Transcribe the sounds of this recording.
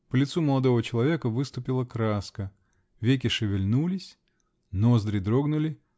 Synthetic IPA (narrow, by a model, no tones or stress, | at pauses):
pəlʲɪt̪suməlˠɐd̪o̞vət͡ɕɪlˠɐvʲe̞kəvɨst̪ʊpʲɪlˠəkɾaskə | vʲekʲɪʂɨvʲɪlʲnulʲɪsʲ | nozd̪ɾʲɪd̪ɾo̞ɡnʊlʲɪ